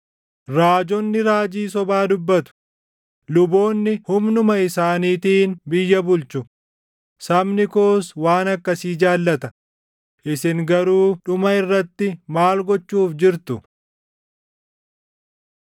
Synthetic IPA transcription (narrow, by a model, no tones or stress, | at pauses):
ɾaːd͡ʒɔnːɪɾaːd͡ʒiːs̬ɔbaːd̪ʊbːɐt̪ʊ̥ | lʊbo̞ːnːɪhʊmnʊmɐɪsaːniːt̪iːnbɪjːɐbʊlt͡ʃʊ | sɐmnɪkoːswaːnɐkːɐsiːd͡ʒaːlːɐt̪ɐ | ʔɪsɪŋɡɐɾuːᶑʊmɐɪrːɐt̪ːɪmaːlɡɔt͡ʃːuːfd͡ʒɪɾt̪ʊ